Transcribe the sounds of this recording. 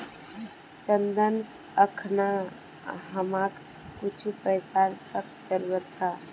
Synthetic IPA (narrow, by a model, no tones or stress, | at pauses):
t͡ʃənd̪ən | əkʰna | ɦəmak | kut͡ʃʰupəjsaɾsək̚ʰd͡ʒəɾuwət̪̚t͡ʃʰa